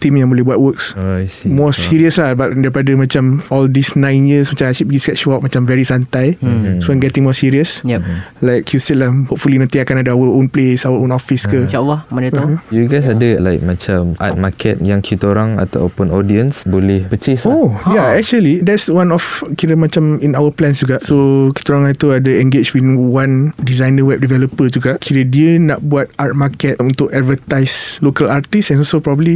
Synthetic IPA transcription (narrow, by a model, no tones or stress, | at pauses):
t̪imjaŋbolɛhbuat̚wəksimɔsiɾiəslahbat̚daɾipadəmãt͡ʃamɔldisnãjnjəsmat͡ʃãasibɡisɡɛt̚ʃuap̚mãt͡ʃamvɛɹisant̪ajsoanɡɛt̪ĩŋmɔsiɹiəsjlajkjusɛt̚lahhop̚fulinãnt̪iakanadəawəõnplesawəõnɔfiskət͡ʃawamãət̪juɡajsadəlajk̚mat͡ʃamʔa̰t̪̚makʰɛ̰t̪̚jaŋkʰit̪oɾaŋa̰t̪a̰wpʊnɔdiənsbolɛhpət͡ʃisojaɛk̚t͡ʃuəlidɛtswãnɔfkiɾəmãt͡ʃaminawəplɛ̃nsd͡ʒuɡaʔsoki̥t̪oɾaŋat̪uadəɛ̃ŋɡet͡ʃwinwandizajnəwɛp̚divɛləpəd͡ʒuɡaʔkʰiɾədiənaʔbuat̪̚at̪̚makɛt̚unt̪ʊkadvət̪ajslokalart̪isɛnɔsopɾɔbəbli